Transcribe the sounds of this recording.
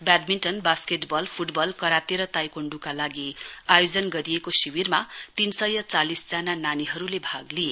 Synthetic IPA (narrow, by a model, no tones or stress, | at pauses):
baɖminʈʌnbaskeʈbʌlpʰuʈbʌlkʌɾat̪eɾʌt̪ajkoɳɖukalaɡiajod͡zʌnɡʌɾijekosiwirmat̪insʌjʌt͡salisd͡zanananiɦʌɾulebʱaɡlije